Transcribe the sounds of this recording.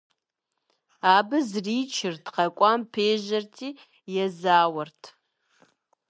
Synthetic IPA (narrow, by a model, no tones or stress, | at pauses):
aːbɨzriːt͡ʃʰɪrtqɐkʷʼɑːmpʰeːʒɐrtʰiː | jɛzaːwɐrtʰ